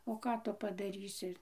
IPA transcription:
oː ˈkɑː tʊ pɐdɐˈrʲiːsʲɪ

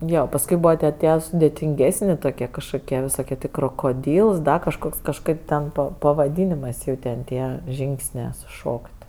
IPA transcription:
ˈjoː pɐsˈkʊɪ ˈbuːʋɐ tʲiɛ ˈtʲiɛ sʊdʲeːtʲɪŋʲˈɡʲæːsʲnʲɪ toːˈkʲiɛ kɐʃkoːˈkʲiɛ ʋʲɪsoːˈkʲiɛ ˈtʲeː kroːkoːˈdʲiːlˠs ˈdɐ kɐʃˈkoːks kɐʃˈkɐɪp tʲɛn ˈpɐ pɐʋɐˈdʲiːnʲeːmɜs ˈjɛʊ tʲɛn ˈtʲiɛ ˈʒʲiːŋksʲnʲeː sʊˈʃoːkʲtʲ

